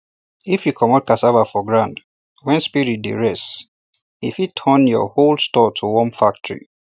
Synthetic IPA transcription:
ifjukʰɔmɔt̚kasavafɔɡɹãnd | wɛ̃nspiɹit̚dḛɹɛs | ifitʰɔnjɔ̰holstɔtʰuwɔ̃nfak̚tɹḭ

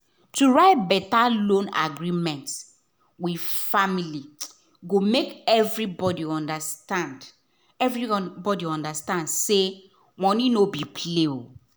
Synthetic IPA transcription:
tuɹaɪt̚bɛtalõna̰ɡɹimɛ̃nts | widfamili | ɡomekɛvɹibɔdiɔ̃ndastãnd | ɛvɹibɔdiɔ̃ndastãndse | mɔ̃nĩnobipʰleo

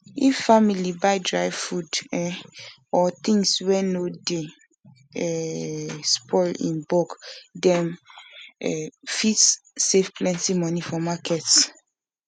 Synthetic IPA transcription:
iffamilibaɪdɹaɪvfudɛ | ɔt̪ĩŋswɛnode | ɛ | spʰɔlḭ̃nbɔkdɛ̃m | ɛfitsːefpʰlɛ̃ntimɔnifɔmakʰɛts

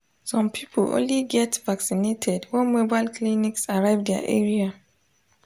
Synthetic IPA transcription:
sɔ̃mpʰipʰlõ̰nliɡɛtvaksinetʰɛdwɛ̃nmobaɪlkʰliniksaɹaɪvdɛa̰ʔɛɹia

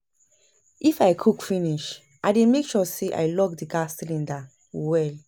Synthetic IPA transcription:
ʔifaɪkʰukfiniʃ | ʔaɪdẽmekʃɔseʔa̰ɪlɔɡdiɡastlĩnda | wɛl

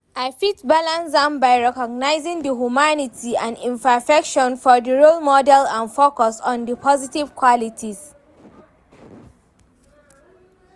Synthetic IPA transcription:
aɪfitbalãnsdãmbaɪɹɛkɔɡ̚naɪzĩŋdəɦjumanitʰiãnĩmpəfɛkʃɔ̃nfɔdəɹolmɔdɛlãnfokɔsɔ̃ndəpʰɔzitiv̥kʰwɔlitʰiz̥

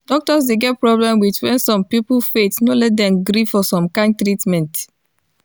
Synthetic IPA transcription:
d̥ɔk̚tɔsdeɡɛt̚pɹɔblɛ̃mwitwɛ̃nsɔ̃mpiplfetnolɛt̚dɛ̃mɡɾivfɔsɔ̃mkãɪ̃nd̚tɾitmɛ̃nt

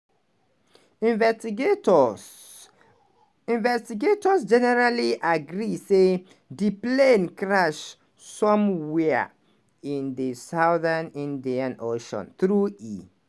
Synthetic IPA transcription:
v | ĩnvɛstiɡetɔsd͡ʒɛnɛɹaliʔaɡɹise | diplẽnkɹaʃ | sɔ̃mwɛa̰ | ĩndisaʊðanĩndiãnoʃɔ̰̃nθɹui

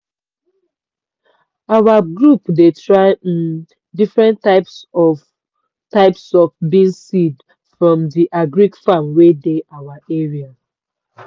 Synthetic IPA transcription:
awaɡɹupdetʰɹaɪĩn | difɹɛ̃ntaɪpsɔ | taɪpsɔfbĩnsid | fɹɔ̃mdiʔaɡɹikfamwedeʔawaʔeɹia

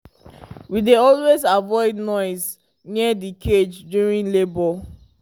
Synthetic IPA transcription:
wideɔlwezavɔɪdnɔɪz | nidikʰed͡ʒdjuɹĩnlebɔ

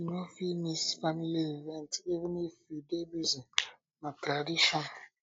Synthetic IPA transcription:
inofimisfanleivɛntivnifidebizĩ | natɾadiʃɔn

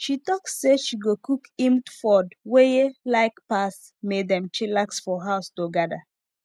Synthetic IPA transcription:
ʃitɔksːeʃiɡokukĩmtfɔdwejelaɪkpas | medɛ̃mt͡ʃilaksfɔɦaʊstoɡada

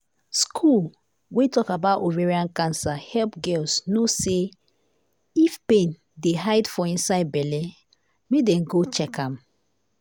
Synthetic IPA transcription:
skʰul | wetɔkabatoveɹiãnkãnsahɛlpɡɛlsnose | ifpẽn | deɦaɪdfɔĩnsaɪd̚bɛlɛ | midɛ̃nɡot͡ʃɛkãm

